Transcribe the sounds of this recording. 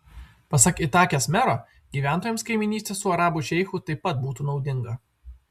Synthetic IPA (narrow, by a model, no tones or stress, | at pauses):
pɐsɐkɪt̪ɑːkʲosmʲɛɾoː | ɡʲiːʋʲæˑnt̪oːjɛmskɐɪmʲɪnʲiːst̪ʲeːssʊɐɾɑːbʊʃʲɛɪxʊt̪ɐɪpɐt̪̚buːt̪uːnɒʊd̪ʲɪŋɡɐ